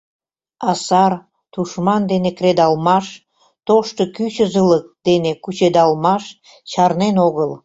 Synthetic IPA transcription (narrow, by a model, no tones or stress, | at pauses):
ɑsɑr | t̪uʃmɑnd̪enekred̪ɑlmɑʃ | t̪oʃt̪ŏkyt͡ɕəzələk̚d̪̥enekut͡ɕed̪ɑlmɑʃ | t͡ɕɑrnenoɣəl